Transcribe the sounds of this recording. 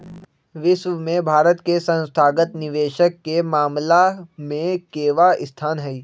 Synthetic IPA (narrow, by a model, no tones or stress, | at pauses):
ʋɪʃʋəmẽbʱaːɾət̪kesə̃nst̪ʰaːɡət̪nɪʋeːʃəkːemaːmlamẽkeːʋaɪst̪ʰaːnɦɛiː